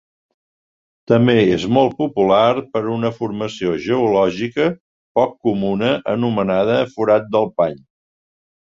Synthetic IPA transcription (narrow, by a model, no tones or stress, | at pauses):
t̪əmbeezmɔlˠt̪̚pupularpəɾunəfurməsioʒəulɔʒikə | pɔkːumunəʔənumənað̞əːfuɾat̪̚d̪əlˠpaɲ